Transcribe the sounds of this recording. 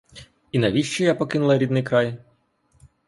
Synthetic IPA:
inɐʋʲiʃt͡ʃɛjapɔkɪnʊlˠɐɾʲid̪nɪjkɾɑj

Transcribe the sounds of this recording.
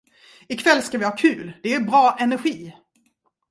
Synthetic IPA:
ɪkʰvɛlːskavɪhɑːkʰʉ̟ːld̪ɛæɾbɾɑːʔɛnæɾɧiː

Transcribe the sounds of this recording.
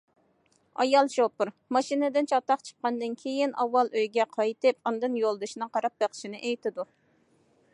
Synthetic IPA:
ɑ̰jɑlˠʃopuɾ | mɑʃinɨd̪ɪnt͡ʃʰɑt̪ɑqt͡ʃʰə̥q̚qːɑnd̪ɨnkʲʰejinɑwːɑlˠøjɡʲɛqʰɑjt̪ɨpund̪ɨnjolˠd̪ɨʃnɨqʰɑɾɑp̚beqʰə̥ʃinɨʔejt̪ɪd̪u

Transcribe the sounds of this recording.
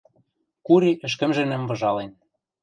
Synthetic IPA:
kuɾiʔɘ̆ʃ̬kɘ̆mʒɘ̆nɘ̆mvɤ̆ʒɑlen

